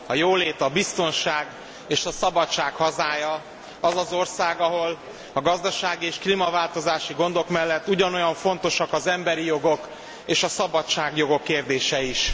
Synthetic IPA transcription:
ɒjoːleːt̪ɒbist̪o̞nʃaːɡ | eːʃɒsɒbɒt͡ʃːaːkhɒzaːjɒ | ɒzɒzo̞rsaːɡɒɦo̞l | ɒɡɒzd̪ɒʃaːɡieːʃklimɒvaːlt̪o̞zaːʃiɡo̞nd̪o̞kmɛlːɛt̪ːuɟɒno̞jɒɱfo̞n̪t̪o̞ʃɒkɒzɛmbɛɾijo̞ɡo̞k | eːʃɒsɒbɒt͡ʃːaːɡjo̞ɡo̞kːeːrd̪eːʃɛiʃ

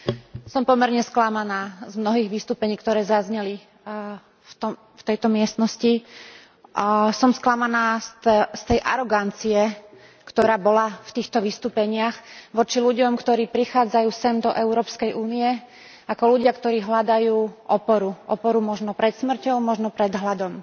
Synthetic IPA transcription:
sɔmpɔmɛɾɲɛsklamanaːzmnɔɦiːɣʋist̪uːpɛɲiːkt̪ɔɾɛːzazɲɛli | t̪ɔm | ft̪ɛjt̪ɔmɪɛst̪nɔsci | sɔmsklamanaːst̪ɛjʔaɾɔɡant͡siɛ | kt̪ɔɾaːbɔlaft̪iːxt̪ɔʋist̪uːpɛɲɪaxʋɔt͡ʃiluɟɔmkt̪ɔɾiːpɾixaːd͡zajuːsɛmd̪ɔʔɛʊɾɔːpskɛjuːnijɛ | akɔluɟɪakt̪ɔɾiːɦlad̪ajuːʔɔpɔɾuʔɔpɔɾumɔʒnɔpɾɛt̪smr̩cɔʊmɔʒnɔpɾɛd̪ɦlad̪ɔm

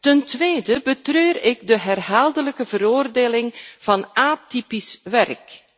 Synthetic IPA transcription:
təntʋeːdəbətrøːɾɪɡ̚dəɦɛrɦaːlˠdələkəvəɾoːrdeːlɪŋv̥ɑnaːtipisʋɛrk

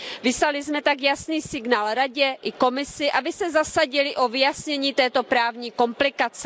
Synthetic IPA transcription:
vɪslalɪzmɛt̪akjasniːsɪɡnaːlɾaɟɛʔɪko̞mɪsɪʔabɪsɛzasaɟɪlɪʔo̞vɪjasɲɛɲiːt̪ɛːt̪o̞pɾaːvɲiːko̞mplɪkat͡sɛ

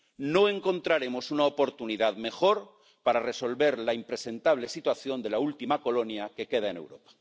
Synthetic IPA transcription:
no̞e̞ŋko̞nt̪ɾaɾe̞mo̞sunaopo̞ɾt̪uniðaðme̞xo̞ɾ | paɾareso̞lβe̞ɾlaimpɾe̞se̞nt̪aβ̞le̞sit̪waθjond̪e̞lault̪imako̞lo̞njake̞ke̞ð̞ae̞ne̞̰wɾo̞pḁ

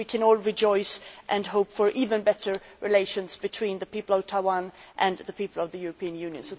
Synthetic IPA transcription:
ikʰɨ̃nɔlˠɹɨd͡ʒɔɪsʔɨ̃nɦoʊpfə˞ʔivɨ̃nbɛɾə˞ɹʔɨleɪʃɨ̃nzbɨtʰw̥ĩnðɨpipl̩ˠʌv̥tʰaɪwɑ̃nʔɨ̃nðəpipl̩ˠʌvðɨjʊɹəpʰĩɨ̃njʉ̃njɨ̰̃nsoʊ

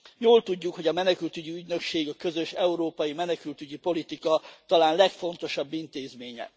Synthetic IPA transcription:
joːlt̪uɟːukho̞ɟɒmɛnɛkylt̪yɟiyɟnø̞kʃeːɡɒkø̞zøʃɛuɾoːpɒjimɛnɛkylt̪yɟipo̞lit̪ikɒt̪ɒlaːnlɛkfo̞nt̪o̞ʃɒbːint̪eːzmeːɲɛ̰

